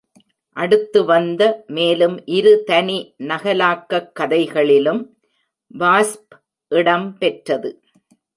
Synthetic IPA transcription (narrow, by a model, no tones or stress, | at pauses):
ʔɐɽɯt̪ːɯʋɐnd̪ɐmeːlɯmʔɪɾɯt̪ɐninɐɣɐlaːkːɐkːɐðɐɪɣɐɭɪlɯm | ʋaːsp | ʔɪɽɐmpɛʈrɐðɯ